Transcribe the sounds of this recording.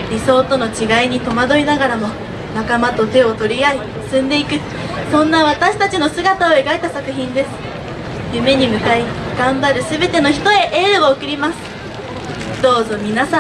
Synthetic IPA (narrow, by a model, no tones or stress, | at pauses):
ɾʲiso̞ːt̪o̞no̞t͡ɕiɡaiɲ̟it̪o̞mad̪o̞ɾʲinaɡaɾamo̞ | nakamat̪o̞t̪e̞o̞t̪o̞ɾʲiai | sɨ̃nd̪e̞ikɯ̟ | sõ̞nːaβ̞at̪aɕi̥t̪at͡ɕino̞sɨɡat̪aoe̞ɡaet̪asakɯ̟çĩnd̪e̞sɨ̥ | jɯ̟me̞ɲ̟imɯ̟kaiɡ̥ãmbaɾɯ̟sɨbe̞t̪e̞no̞çi̥t̪o̞e̞ʔeːɾɯ̟ɡookɯ̟ɾʲimasɨ̥ | d̪̥o̞ːzo̞mʲinasa